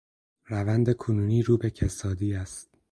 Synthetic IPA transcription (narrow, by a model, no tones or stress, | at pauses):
ɾævænd̪e̞kʰonuːniːɾuːbe̞cʰesɒːd̪iːæst̪̚